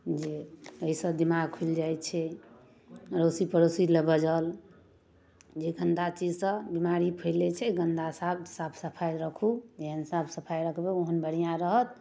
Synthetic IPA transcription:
d͡ʒeəisə̃b̪imaɡkʰuld͡ʒajtt͡ʃʰɛ | ɾosipəɾosiləbəd͡ʒəl | d͡ʒeɡənd̪at͡ʃid͡ʒsə̃bimaɾipʰəjlɛt͡ʃʰɛɡənd̪asab̚sabsəpʰajɾəkʰud͡ʒeɦənsabsəpʰajɾəkʰbeoɦənbəɽ̤ijãɾəɦət̪̚

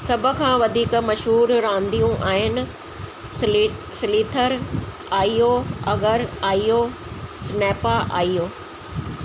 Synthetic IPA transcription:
sɐbʱʊ̆kʰãːʋɐd̪ʱiːkmɐʃɦuːɾɾãːnd̪ijũʔaːɦɪnɪ̆ | sɪliːt̪ʰəɾ | aːijoɐɡəɾaːijo | snɛːpaʔa̰ːijoː

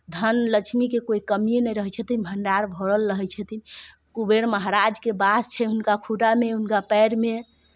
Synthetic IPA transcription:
d̪ʱənlət͡ʃʰmikekoikəmijenɛjɾəɦɛt͡ʃʰət̪inbʱəɳɖaɾbʱoɽəlɾəɦɛt͡ʃʰət̪ʰin | kubeɾməɦaɾad͡ʒkebast͡ʃʰɛɦunkakʰuʈameɦunkapɛjɽme

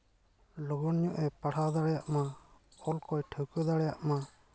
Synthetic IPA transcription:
lɔɡɔnɲɔʔɛpaɽ̤ad̪aɽɛjaʔmaɔlkɔjʈʰəwkəd̪aɽɛjaʔma

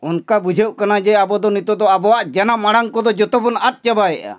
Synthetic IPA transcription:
unkabud͡ʒʱəwʔkanad͡ʒɛabɔd̪ɔnit̪ɔd̪ɔabɔwaʔd͡ʒɛnamaɽaŋkɔd̪ɔd͡ʒɔt̪ɔbunat̪̚ˀt͡ʃabaɛʔa̰

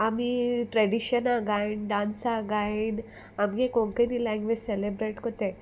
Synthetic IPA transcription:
amiʈɾeɖiɕənaɡainɖãnsaɡain | amɡekoŋkənilɛ̃ŋɡʋed͡ʑselebɾeʈkot̪e

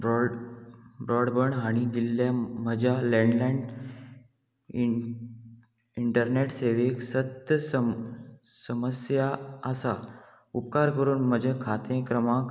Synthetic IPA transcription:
b | bɾɔɽbəɳɦaɽ̃id̪ilːjaməd͡ʑʱjalẽɳɖlaɳɖ | iɳʈəɾneʈseʋeksət̪jəs | səməsjaəsa | upkaɾkəɾuːnməd͡ʑʱẽkʰat̪ẽkɾəmãk

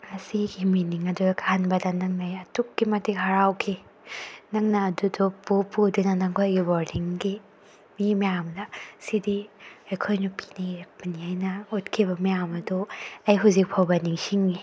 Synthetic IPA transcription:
ɐsiɡiminiŋɐdudɐkʰanbɐdɐnɐŋnajɐtukːimɐtikɦaɾawkʰi | nɐŋnɐːdudɔpupudinɐnɐŋkʰojɡibɔɾdiŋɡi | mimijamdɐsidiɐjkʰojnupi̥neɾak̚pɐniajnɐut̚kʰibɐmijamɐduɐjɦuzik̚pʰawbɐniŋsiŋːi

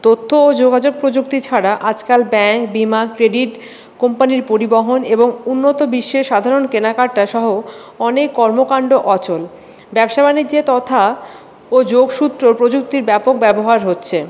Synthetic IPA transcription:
t̪ot̪ʰːoːd͡ʑoɡad͡ʑoɡ̚pɾod͡ʑukt̪it͡ɕʰaɽaʔad͡ʑkalbɛŋkbimakkːɾeɖiʈ | kompaniɾpoɾiboɦoneboŋunːot̪obiʃːeʃad̪ʱaɾonkenakaɾ̚ʈaʃɔɦo | ɔnekːɔɾmokaɳɖoʔɔt͡ɕol | bɛbʃabanid͡ʑet̪ɔt̪ʰa | od͡ʑoɡʃut̪ːɾopɾod͡ʑuk̚t̪iɾbɛpok̚bɛboɦaɾɦotːɕʰe

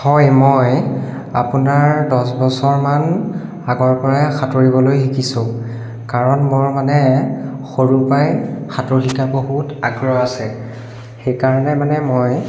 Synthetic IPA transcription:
hɔjmɔj | a̰punaɹdɔsbɔsɔɹman | aɡɔɹpɔɹɛxatoɹibɔlojxikisʊ̃ | kaɹɔnmɔɹmanɛxoɹupajxatoɹxikaboɦutaɡɹɔasɛ | xejkaɹɔnɛmanɛmoj

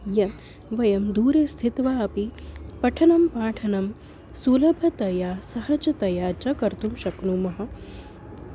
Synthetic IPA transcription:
jɐn | ʋɐjɐmd̪uːɾeːst̪ʰit̪ʋaːɐpipɐʈʰɐnɐmpaːʈʰɐnɐm | sulɐbʱɐt̪ɐjaːsɐhɐd͡ʒɐt̪ɐjaːt͡ʃɐkɐɾt̪umʃɐknuːmɐɦɐ̆

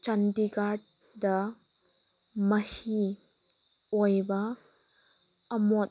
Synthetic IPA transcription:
t͡ʃɐndiɡaɾd̚ | dɐ | mɐhi | ɔjbɐ | ɐmɔt̚

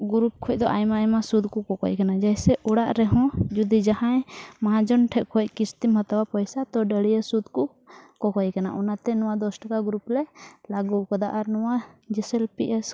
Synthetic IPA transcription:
ɡuɾup̚kʰɔc̚ˀd̪ɔʔajmaːjmasud̪kɔkɔkɔ̰ckanad͡ʒajsɛʔɔɽaʔɾɛɦɔ̃d͡ʒud̪id͡ʒahãjmaɦãd͡ʒɔnʈʰɛʔkʰɔc̚kist̪imɦət̪awapəjsat̪ɔɖəɽijəsud̪kɔ | kɔkɔjkanaʔɔnat̪ɛnɔ̃wad̪ɔsʈakaɡɾuplɛlaɡukɔd̪aʔaɾnɔwad͡ʒɛsɛlpiʔɛs

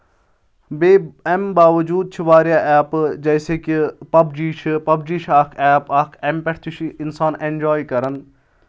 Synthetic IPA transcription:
beːɛmbaːʋɐd͡ʒuːd̪̚t͡ʃʰiʋaːɾjaːʔɛːpd͡ʒɐːseːkipɐbd͡ʒiːt͡ʃʰpɐb̚d͡ʒiːʃʰaːkʰɛːpɐkʰɛmpɛʈʰt̪ʰiʃʰiɪnsaːnẽɳd͡ʒaːikɐɾən

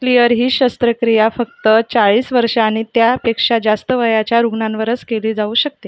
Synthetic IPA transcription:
klijəɾɦiːɕəst̪ɾəkɾijafək̚t̪ət͡saɭiːsʋəɾʂaːɽ̃it̪japekʂad͡zast̪əʋəjat͡ɕjaɾuɡnãnʋəɾət͡skeliːd͡zauːɕək̚t̪e

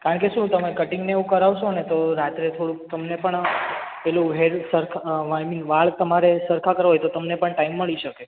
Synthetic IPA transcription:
kaɾəɳkeʃũt̪əmekəʈɪ̃ŋɡneũkəɾaʋʃonet̪oɾat̪ɾet̪ʰoɽut̪əmnepəɳpelũɦeɾsəɾkʰʋaminʋaɭt̪əmaɾesəɾkʰakəɾɦojt̪ot̪əmnepəɳʈaimːəɭiʃəke

